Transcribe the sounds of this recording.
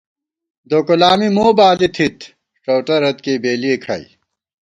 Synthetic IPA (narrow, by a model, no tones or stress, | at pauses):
d̪oːkulaːmimoːbaːlit̪ʰit̪ʰ | ʈ͡ʂoːʈɐɾɐt̪keːbeːliekʰɐ̰ḭ